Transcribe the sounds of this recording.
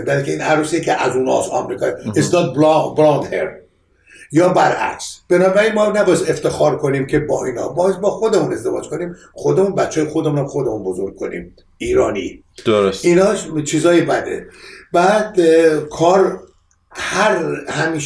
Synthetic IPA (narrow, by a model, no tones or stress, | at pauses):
bælkʰʲeiːnæɾusiekʲʰeʔæzuːnɒ̰sɒ̰mɾiːkʰɒjesnɒːt̪̚bɾɑnd̪heɾ | jɒːbæɾʔæ̰kʲsb̥e̞nɒːbæɾinmɒːnæbɒːjesd̪eft̪ʰe̞xɒːɾkʰo̞niːmcʰebɒ̰ːiːnɒ̰ːbɒːjzbɒːxo̞d̪e̞mune̞zd̪e̞vɒ̰ːd͡ʒkʰo̞niːm | xo̞d̪e̞munbætt͡ʃːɒːjexod̪emunæmxo̞d̪emunbo̞zoɾɡ̚kʰo̞̰nḭːm | ʔiːɾɒːnḭ | d̪osinɒːt͡ʃʰiːzɒːjebæd̪e̞̰bæːd̪kʰɒːɾ | hæɾhæmiːʃ